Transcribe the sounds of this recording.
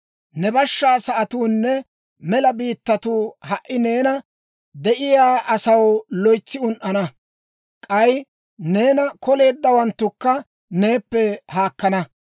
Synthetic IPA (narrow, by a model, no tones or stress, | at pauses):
nɛbɐʃːaːsɐʔɐt̪uːnːɛ | mɛlɐbiːt̪ːɐt̪uːhɐʔːɪne̞ːnɐ | d̪ɛʔɪjaːʔɐsɐwlɔjt͡sːɪʊnʔɐnɐ | kʼɐj | ne̞ːnɐkɔle̞ːd̪ːɐwɐnt̪ːʊkːɐ | ne̞ːpːɛhaːkːɐnɐ